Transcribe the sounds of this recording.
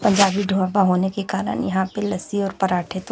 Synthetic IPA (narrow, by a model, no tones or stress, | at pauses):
pɐ̃ɲd͡ʒaːbiɖʱoːãbaɦoːnekekaːɾə̰njɐɦãpelɐsiɔːɾpɐɾaːʈʰet̪